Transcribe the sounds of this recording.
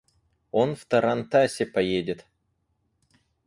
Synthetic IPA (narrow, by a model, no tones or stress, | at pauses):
onft̪ɐɾant̪asʲɪpɐjedʲɪt̪